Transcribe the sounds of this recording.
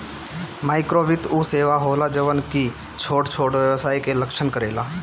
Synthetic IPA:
maːɪkɾoʋɪt̪useːʋaɦoːlad͡ʒəʋənki | t͡ʃʰoːɽt͡ʃʰoːɽʋjəʋsaːikeləkʃənkəɾeːlaː

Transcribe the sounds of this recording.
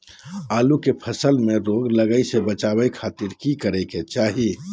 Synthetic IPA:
aːlukepʰəsəlmẽɾoːɡləɡəisebət͡ʃaːbəikʰaːt̪ɪɾkikəɾeket͡ʃaːɦi

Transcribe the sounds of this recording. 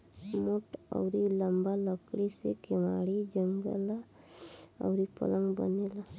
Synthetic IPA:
mʊʈɔ̰ʊɾiləmbaləkɽisḛkɪmaːɽid͡ʒəŋɡə̰la | ɔ̰ʊɾipə̰ləŋɡbə̰neːla

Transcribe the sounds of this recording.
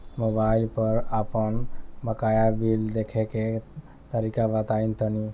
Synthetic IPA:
mobailpəɾəpənbəkajabild̪ekʰeke | t̪əɾikabət̪aint̪əni

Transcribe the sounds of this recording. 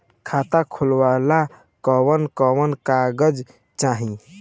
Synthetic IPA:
kʰat̪akʰulwala | kɔwənkɔwənkaɡəd͡ʒ | t͡ʃaɦĩ

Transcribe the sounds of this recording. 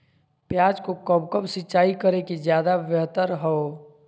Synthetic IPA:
pjaːd͡ʒkokəbkəbsɪːt͡ʃaːikəɾekizjaːd̪aʋəɦt̪əɾɦɔo

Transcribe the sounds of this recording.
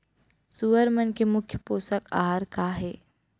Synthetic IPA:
suːəɾmənkemʊkʰjəpoːsəka̰ːɦaɾkaːɦɛː

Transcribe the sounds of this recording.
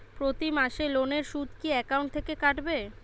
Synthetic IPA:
pɾot̪imaʃeloneɾʃud̪kiɛkauɳʈ̚t̪ʰekekaʈbe

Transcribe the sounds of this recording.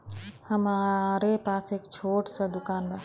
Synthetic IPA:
həmaɾepasekt͡ʃʰoʈsə̃d̪ukanme

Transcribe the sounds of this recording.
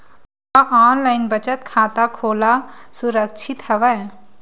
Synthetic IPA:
ɐʔaːnlaɪnbət͡ʃət̪kʰaːt̪akʰoːlasʊɾəkt͡ʃʰɪt̪hɐʋɛ

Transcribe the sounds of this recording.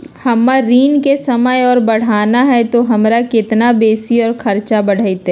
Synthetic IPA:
hɐmːaɾiːnkesɐməjɔːɾbɐɽ̤aːnaɦɛt̪oɦɐmɾakɪt̪nabeːsiɔːɾkʰɐɾt͡ʃabɐɽ̤ait̪ɛ

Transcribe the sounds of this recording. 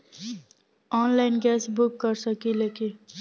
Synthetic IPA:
ɔːnlaɪnɡɛːsbʊkːəɾsəkileːki

